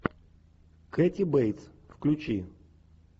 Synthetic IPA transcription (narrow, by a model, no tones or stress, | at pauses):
kɛtʲibejt̪sfklʲʊt͡ɕi